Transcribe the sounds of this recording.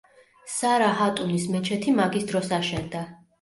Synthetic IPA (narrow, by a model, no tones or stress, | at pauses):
saɾaɦat̪ʼunismɛt͡ʃʰɛt̪ʰimaɡisd̪ɾɔsaʃɛnd̪a